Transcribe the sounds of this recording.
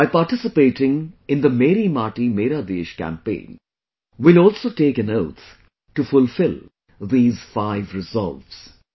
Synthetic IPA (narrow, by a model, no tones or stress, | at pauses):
aɪpaɾʈɪsɪpeːʈɪ̃ŋɪ̃nd̪əmeːɾimaːʈimeːɾad̪eːʃkæ̰̃mpḛ̃ːn | ʋɪlɔːlsoːʈeːkæ̃noʊt̪ʰ | ʈufʊlfɪlˠ | d̪iːz̥faɪʋɾɪzɔ̰lʋs